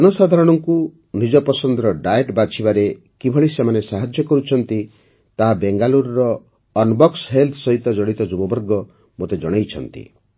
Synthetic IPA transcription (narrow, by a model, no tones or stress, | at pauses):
ɔnɔsad̪ʱaɾɔɽ̃ɔŋku | nid͡ʒɔpɔsɔnd̪ɾɔɖajeʈbat͡ʃʰibaɾe | kibʱɔɭisemanesaɦad͡ʒjɔkɔɾut͡ʃʰɔnt̪i | t̪aɦabeŋɡaluɾɔɾɔː | nbɔksɦelt̪ʰsɔɦit̪ɔd͡ʒɔɽit̪ɔd͡ʒubɔbɔɾɡɔ | mot̪ed͡ʒɔɽ̃ejt͡ʃʰɔnt̪ḭ